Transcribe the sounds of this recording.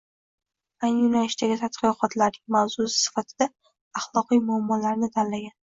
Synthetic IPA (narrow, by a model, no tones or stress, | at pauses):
ajnjʊnalɪʃt̪aɡʲɪt̪ʰat̪qɨqʰɒt̪ʰlaɾnɪŋmawz̥ʊsɪ̥sɪ̥fat̪ʰɪd̪̥a | ɑχlˠɒqijmʊamːɒlaɾnɪt̪ʰanlaɡʲan